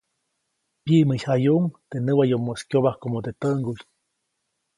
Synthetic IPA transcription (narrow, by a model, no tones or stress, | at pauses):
pjiʔməjajuʔŋt̪enɨwajomːoskjoβahkomot̪et̪əŋɡuj